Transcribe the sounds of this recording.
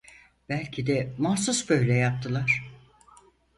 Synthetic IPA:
b̥ælʲcʰid̪ɛmahsusbø̞jlʲɛjap̚t̪ʰɯlˠaɾ̥

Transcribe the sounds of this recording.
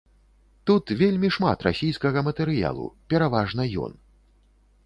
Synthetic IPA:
t̪ut̪vʲelʲmʲiʂma̰t̪ra̰sʲijskɐɣɐmɐt̪ɛɾɨja̰lˠṵpʲɛɾavaʐn̪ɐjɔ̰n

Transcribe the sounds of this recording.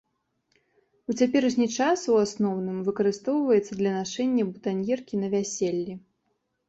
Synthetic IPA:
ut͡sʲapʲɛɾɛʂnʲit͡ʂasuasnɔwn̪ɨmvɨkɐɾɨst̪ɔwvɐjɛt̪sːɐd̪lʲɐnaʂɛnʲːɐbut̪anʲjɛrkʲinɐvʲæsʲelʲːi

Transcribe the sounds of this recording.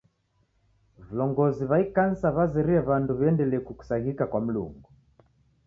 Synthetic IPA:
vulɔŋɡɔziβaikansaβazɛɾiɛβanduβiɛndɛlɛkuku̥saɦikakwam̩lṵŋɡu

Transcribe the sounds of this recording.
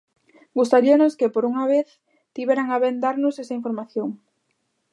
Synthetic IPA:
ɡust̪aɾianoskepoɾuŋaβeθ | t̪iβɛɾaŋaβend̪aɾnʊsesaiɱfoɾmaθjoŋ

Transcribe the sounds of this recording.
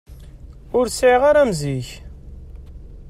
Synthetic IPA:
ʊɾsʕiʁaɾæmziç

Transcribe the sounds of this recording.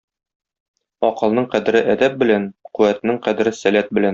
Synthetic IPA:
ɒqɤ̆lˠnɤɴqæd̪ɘ̆ɾɘʔæd̪æp̚bɘ̆lænquwæt̪ɘ̆nɘɴqæd̪ɘ̆ɾɘsælæt̪̚bɘ̆læn

